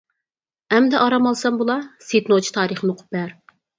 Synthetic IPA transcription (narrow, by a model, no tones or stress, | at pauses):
ɛmd̪ɛʔɑɾɑmɑlˠsɑmbulˠɑset̪not͡ʃʰi̥t̪ʰɑːɾəχnoqʰʊ̥p̚bæɾ